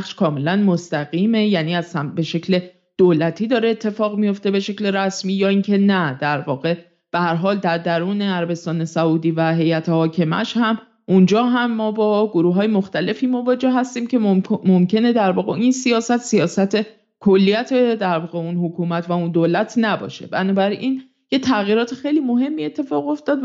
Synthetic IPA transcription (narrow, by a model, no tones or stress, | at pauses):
xʃkʰɒːme̞lænmost̪æɣiːme̞jæniːæz̥hæmbe̞ʃe̞cʰle̞ | d̪̥olæt̪ʰiːd̪ɒːɾeːt̪ʰːe̞fɒːɣmijo̞ft̪e̞be̞ʃe̞cleɾæsmiːjɒːiːncʰe̞næd̪̥æɾvɒːɣe̞ | b̥ehæɾɦɒːld̪æɾd̪æɾuːne̞æɾæbe̞st̪ɒːne̞sæuːd̪iːvæɦe̞jæt̪ʰehɒːcʰe̞mæ̰ʃhæm | ʔund͡ʒɒːɦæmːɒːbɒːɡoɾuːɦɒːje̞mo̞xt̪æle̞fiːmo̞vɒːd͡ʒe̞hɦæst̪iːmcʰe̞momcʰe̞ne̞d̪æɾvɒːɣeinsiɒːsæt̪sijɒːsæt̪ʰe̞ | kʰolːijæt̪ʰed̪æɾvɒːɣe̞unhokʰuːmæt̪ʰvæund̪olæt̪ʰnæbɒ̰ːʃe̞̰bænɒːbæɾin | jet̪ʰæɣiːɾɒːt̪ʰexe̞jliːmo̞ɦe̞mːiːe̞t̪ʰːe̞fɒːɣo̞ft̪ɒːd̪